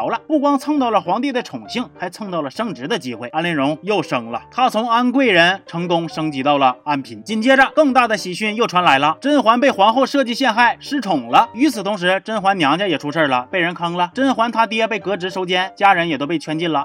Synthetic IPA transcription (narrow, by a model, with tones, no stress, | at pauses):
ʊlə˧pu˥˩kwɑ˥ŋt͡sʰɤ˥˧ŋt̪ɑ˥˩ʊlə˩xwɑ˧˥ŋt̪i˥˩d̪ə˩ʈ͡ʂʰʊ˨˩ŋɕi˥˩ŋxa˧˥ɪt͡sʰɤ˥˧ŋt̪ɑ˥˩ʊlə˩ʂɤ˥˧ŋʈ͡ʂɻ̩˧˥d̪ə˧t͡ɕi˥xwe˥˩ɪa˥nlɛ˥˩nɻʊ˧˥ŋjo˥˩ʊʂɤ˥ŋlə̰˧t̪ʰa˥t͡sʰʊ˧˥ŋa˥nkwe˥˩ɪɻə˧˥nʈ͡ʂʰɤ˧˥ŋkʊ˥ŋʂɤ˥ŋt͡ɕi˧˥t̪ɑ˥˩ʊlə˩a˥npʰi˧˩˥nt͡ɕi˥˩nt͡ɕjɛ˥ʈ͡ʂə˧kɤ˥˧ŋt̪a˥˩d̪ə˩ɕi˨˩ɕy˥˧njo˥˩ʊʈ͡ʂʰwa˧˥nla˧˥ɪlə˧ʈ͡ʂə˥nxwa˧˥npe˥˩ɪxwa˧˥nxo˥˧ʊʂɤ˥˧t͡ɕi˥˧ɕjɛ˥˧nxa˥˩ɪʂɻ̩˧˥ʈ͡ʂʰʊ˨˩ŋlə˦y˧˥t͡sʰɹ̩˨˩t̪ʰʊ˧˥ŋʂ̬ɻ̩˧˥ʈ͡ʂə˥nxwa˧˥nnjɑ˧˥ŋt͡ɕja˧˥jɛ˨˩ʈ͡ʂʰu˧˥ʂə˥˩lə˩pe˥˩ɪɻə˧˥nkʰɑ˥ŋlə˧ʈ͡ʂə˥nxwa˧˥nt̪ʰa˥t̪̬jɛ˥pe˥˩ɪkɤ˧˥ʈ͡ʂɻ̩˧˥ʂo˧˥ʊt͡ɕjɛ˥nt͡ɕja˥ɻə˧˥njɛ˨˩t̪o˥ʊpe˥˩ɪt͡ɕʰɥɛ˧˥nt͡ɕi˥˩nlə˩